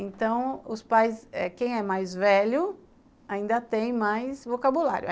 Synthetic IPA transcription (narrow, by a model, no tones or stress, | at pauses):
ẽt̪ɐ̃w̃ʊspajsɛkẽj̃ɛmajzvɛʎʊ | aĩnd̪ɐt̪ẽj̃majsvokabula̰ɾjʊ